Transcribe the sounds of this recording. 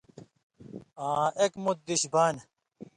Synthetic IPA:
ãːʔekmut̪̚d̪iɕbaːn

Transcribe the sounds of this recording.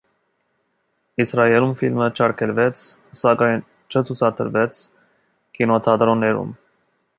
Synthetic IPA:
isɾɑjɛlumfilmət͡ʃʰɑɾkʰɛlvɛt͡sʰ | sɑkɑjn | t͡ʃʰət͡sʰut͡sʰɑt̪ʰəɾvɛt͡sʰ | kinɔt̪ʰɑd̪ɾɔnːɛɾṵm

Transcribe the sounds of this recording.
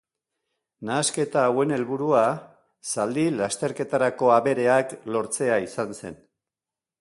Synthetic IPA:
naːske̞t̪aːwe̞ne̞lβuɾua | sald̪ilast̪e̞ɾke̞t̪aɾako̞aβe̞ɾe̞aklo̞ɾt͡se̞aisanse̞̰n

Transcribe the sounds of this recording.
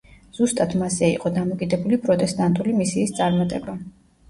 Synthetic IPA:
z̥ust̪ʼat̪ʰmasɛiqʼɔd̪amɔkʼid̪ɛbulipʼɾɔt̪ʼɛst̪ʼant̪ʼulimisiːst̪sʼaɾmat̪ʼɛba

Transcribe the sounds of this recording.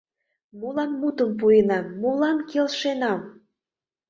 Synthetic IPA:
molɑnmut̪əmp̬ujənɑmːolɑnkelʃenɑm

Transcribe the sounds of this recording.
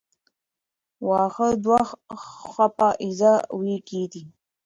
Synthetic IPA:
waːχəd̪wa | χʷapaʔizawiːkʰiːt̪i

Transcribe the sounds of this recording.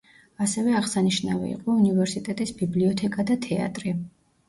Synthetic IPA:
asɛvɛaʁsaniʃnavḭḭqʼɔunivɛɾsit̪ʼɛt̪ʼisbibliɔt̪ʰɛkʼad̪at̪ʰɛa̰t̪ʼɾi

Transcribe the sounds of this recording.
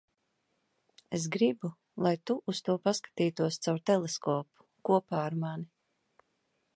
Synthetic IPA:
es̬ɡɾibu | lˠajt̪uʔːst̪uɔpaskḁt̪iːt̪uɔst̪sawɾt̪ɛlˠeskɔːpu̥ | kuɔpaːaɾmani

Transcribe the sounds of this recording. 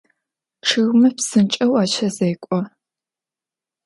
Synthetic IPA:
ʈ͡ʂʰɨɣmɨpsɨnt͡ʃʼɐwaːt͡ʃʰɐzejkʷʼɔ

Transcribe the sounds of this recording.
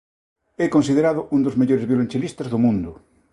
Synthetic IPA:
ɛkõnsið̞eɾaðʊʔund̪ozmeʎoɾezβjolent͡ʃelist̪azðomũnd̪ʊ

